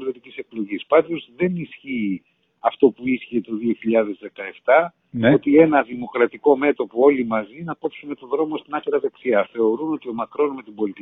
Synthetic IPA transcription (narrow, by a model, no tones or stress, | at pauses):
lot̪icise̞k̚lo̞ʝispɐnd̪o̞zðe̞nisçi | ɐft̪o̞puisçe̞t̪o̞ðio̞çiʎɐðe̞zðe̞kɐe̞ft̪ɐ | o̞t̪ie̞nɐðimo̞kɾɐt̪iko̞me̞t̪o̞poo̞limɐzinɐpo̞psune̞t̪oðɾo̞mo̞st̪inɐkɾiɐðe̞ksiɐθe̞o̞ɾuno̞t̪io̞mɐkɾo̞nmet̪ibo̞lit̪i